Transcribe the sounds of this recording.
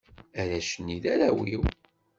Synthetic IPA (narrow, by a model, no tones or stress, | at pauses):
æɾæʃənːiðæɾæwiw